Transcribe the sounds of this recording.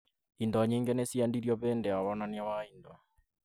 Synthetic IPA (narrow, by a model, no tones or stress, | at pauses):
indɔɲeŋɡenesiandiɾjɔβɛːndɛaβɔnanjawainda